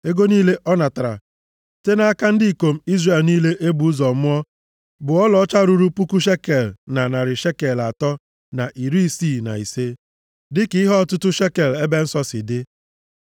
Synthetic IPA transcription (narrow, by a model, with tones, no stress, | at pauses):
e˦ɡo˦niː˦le˦ʔɔ˦na˨ta˨ɾa̰˨ | te˦na˦a˦ka˦n̩˦di˦i˨ko˨m̩˦i˦zre˨lniː˦le˦ʔe˦bu˨u˦zɔ˨mʊ˦ɔ˦ | bʊ˨ɔ˦lɔ˦t͡ʃa˦ɾu˦ɾu˦pu˦ku˦ʃ̬e˦ke˨lna˨na˨ɾɪ˨ʃe˦ke˨la˨tɔ˦ | na˨ʔi˨ɾi˦si˦˨na̰˨i˨se˦ | dɪ˦kɪ˨˦i˦ɦɔ˦˨tʊ˦tʊ˦ʃe˦ke˨le˦be˦n̩˦sɔ˦sɪ˨dɪ˦